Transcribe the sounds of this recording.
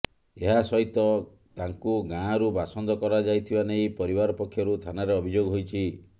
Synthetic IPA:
eɦasɔɦit̪ɔ | t̪aŋkuɡãɾubasɔnd̪ɔkɔɾad͡ʒajt̪ʰibaneĩpɔɾibaɾɔpɔkʰjɔɾut̪ʰanaɾeɔbʱid͡ʒoɡɔɦojt͡ʃʰi

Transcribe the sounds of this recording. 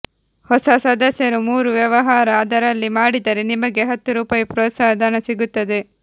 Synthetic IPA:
hɔsɐsɐd̪ʱɐsjɐɾumuːɾuʋjɐʋɐɦaːɾɐɐd̪ɐɾɐlːimaːɽid̪ɐɾenimɐɡe̞ɦɐt̪ːuɾuːpaːjɐpɾɔːt̪saːɦɐd̪ʱɐnɐsiɡut̪ːɐd̪e̞

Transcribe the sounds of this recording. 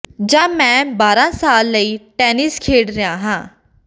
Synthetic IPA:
d͡ʒãːmɛ̃ːbaːɾãːsaːlːəiːʈɛːnɪskʰeːɽɾɪjãːɦãː

